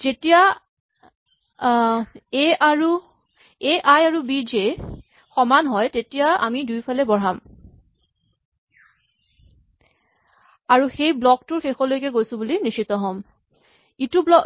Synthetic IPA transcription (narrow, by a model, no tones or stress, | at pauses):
zetija | eaɹu | eʔajaɹubid͡ʒe | xɔmanɦɔjtetijaa̰midujpʰalɛbɔɹ̤am | aɹuxejblɔktʊɹxexɔlojkɛɡojsʊ̃bulinisit̪ɔɦɔm | itublɔ